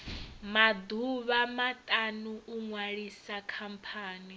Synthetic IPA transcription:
mad̪uβamatʼanuuŋwaɺisakʰampʰaːni

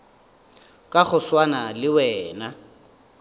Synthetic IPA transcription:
kʼaɣʊswanalɪwɛːna

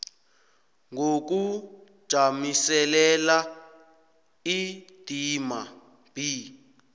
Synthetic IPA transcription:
ŋɡok̬u̥ | ʒ̥ʱamisɛlɛla | id̥ʱima | b̥ʱi

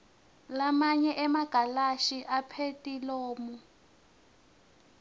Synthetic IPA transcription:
lamaɲɛʔɛmaɡ̥ʱalaʃiʔapʰetʼiloːmu

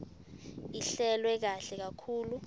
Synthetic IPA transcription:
iɬɛlwɛk̬aɬɛk̬akʰuːlu

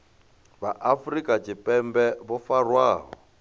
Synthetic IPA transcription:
βaʔafrikʼat͡ʃʰipʼɛmbɛβɔfarwaːɦɔ̰

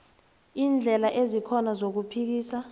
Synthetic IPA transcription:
iːnd͡ɮʱɛlaʔezikʰɔnazok̬upʰik̬iːsa

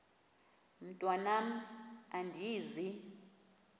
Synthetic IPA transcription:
m̩tʼwanam̩andʱiːzi

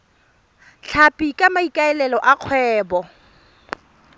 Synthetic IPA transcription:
ɬʰapʼikʼamaikʼaɛlɛlɔʔaq͡χʰwɛːbɔ

